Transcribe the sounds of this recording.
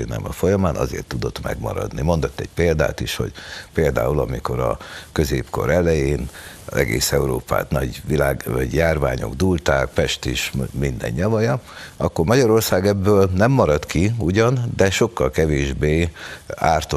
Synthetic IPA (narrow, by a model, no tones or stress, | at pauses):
nɛ̰mɒfo̞jɒmaːnʔɒ̰zḛːrt̪ːud̪o̞t̪mɛ̰ɡmɒ̰ɾɒ̰d̪nimo̞nd̪ot̪ːɛɟpeːld̪a̰ːt̪iʃho̞̰ɟpeːld̪a̰ːulɒmiko̞ɾɒkø̞zeːpko̞̰ɾɛlɛjeːn | zɛ̰ɡḛːsɛuɾoːpa̰ːt̪nɒɟʋilaːɟjaːrva̰ːɲo̞̰ɡd̪uːlt̪aːk̚pɛʃt̪iʃmind̪ɛ̰ɲːɒvɒjɒɒkːormɒɟɒɾo̞rsaːɡɛbːøːlnɛmːɒɾɒt̪kiuɟɒnd̪ɛʃo̞kːɒlkɛveːʒbeːaːrt̪o